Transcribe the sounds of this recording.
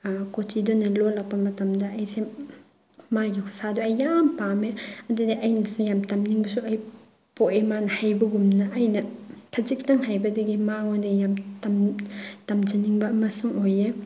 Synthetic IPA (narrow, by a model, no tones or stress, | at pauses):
kotʰidonɐlolɐk̚pɐmɐtɐmdɐɐjse | majɡikʰu̥saduɐjːampameɐdudeʔɐjnɐsujamtɐmniŋbɐsuɐj | poemanɐhajbɐɡumnɐʔːjnɐkʰɐzik̚tɐŋɦajbɐdɐɡimaŋodijamtɐmtɐmd͡ʒɐniŋbɐmɐsuŋoje